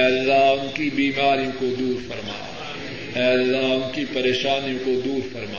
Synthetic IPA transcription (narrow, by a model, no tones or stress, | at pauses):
ɛːɐlːaɦʊnkibiːmaːɾijõkod̪uːɾfɐɾma̰ː | ɛːɐlːaɦʊnkipɐɾeːʃaːnijõkod̪uːɾfɐɾma̰ː